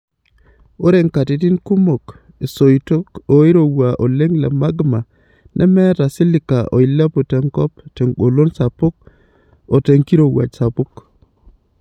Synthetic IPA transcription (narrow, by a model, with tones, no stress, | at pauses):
o˦ɾe˦ŋka˨ti˨˦ti˦nku˦mo˨k | e˨so˨ito˦ko˨i˦ɾo˨wa˨ʔo˨le˦ŋla̰˨ma˦ɡma˨ | nʔɛ̰˦mɛ˦ɾa˨si˦lɪ˨ka˨ʔo̰˨i˨la˦po˨tɛ˨ŋkɔ˦pte˨ŋɡo˨lo˦nsa˨po˦k̚ | o˨te˨ŋki˦ɾo˨wa̰˨d͡ʒsa˨pu˦k